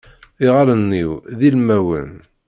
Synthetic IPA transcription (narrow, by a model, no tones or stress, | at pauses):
iʁalənːiwðilmæwə̰n